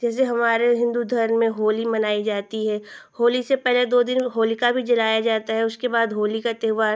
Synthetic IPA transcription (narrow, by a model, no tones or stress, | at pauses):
d͡ʒɛːs̬eɦɐmaːɾeɦɪ̃nd̪ud̪ʱɐɾnmẽɦoːlimɐnaːid͡ʒaːt̪iɦɛːhoːlisepɛɦled̪oːd̪ɪnɦoːlikabʱid͡ʒɐlaːjad͡ʒaːt̪aɦɛʊskebaːd̪ɦoːlikat̪eːʋaːɾ